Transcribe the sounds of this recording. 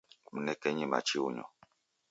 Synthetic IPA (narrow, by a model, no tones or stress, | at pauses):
m̩nɛkɛɲɛma̰t͡ʃiuɲɔ̰